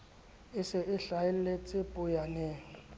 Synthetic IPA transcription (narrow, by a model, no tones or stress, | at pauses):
ɪsɪʔɪɬaɪllet͡sʼɪpʼʊjanɛːŋ